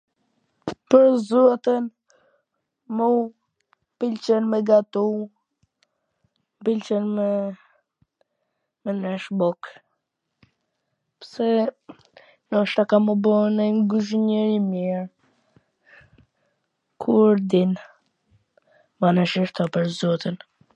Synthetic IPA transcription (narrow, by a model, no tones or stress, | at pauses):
pəɾzɔt̪ɛn | mu | pilt͡ʃɛnmɛɡat̪u | pilt͡ʃɛnmɛ | mɛnɛʃbɔk | psɛ | nɔʃt̪akamubɔnɛŋɡuʃ̬ɲɛɾimiɾ | kʰuɾd̪in | banɛʃɛʃt̪apəɾzɔt̪ən